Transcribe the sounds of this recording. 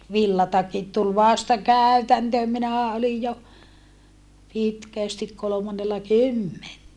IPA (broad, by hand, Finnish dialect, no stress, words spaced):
ʋilːɑtɑkit tul ʋɑstɑ kæˑy̞tæntøːm minæhæ olij jo pitkæˑstik kolomɑnːelːɑ kymːentæ